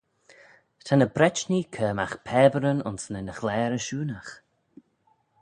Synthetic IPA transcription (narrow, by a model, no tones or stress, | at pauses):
tʰanəbɾɛt͡ʃnikʰəːmaxpʰɛːbəɾənʊ̰nsnənəxlɛːɾəʃuːnax